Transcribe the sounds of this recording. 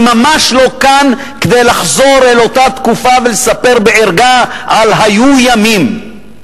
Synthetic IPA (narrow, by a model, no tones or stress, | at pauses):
mamaʃlo̞kan | ked̪ejlaχzo̞ɾelo̞tat̪kufavelesape̞ʁbeʔeʁɡaalɦajujamim